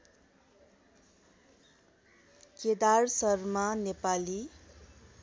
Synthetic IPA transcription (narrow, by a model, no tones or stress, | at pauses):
ked̪arsʌrmanepali